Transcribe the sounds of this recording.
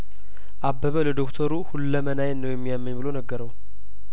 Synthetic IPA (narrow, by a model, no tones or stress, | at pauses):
ʔabːəβələd̪okt̪ʰəɾuhulːəmənajɛnəwjɛmːijamːəɲbɨlonəɡːəɾəw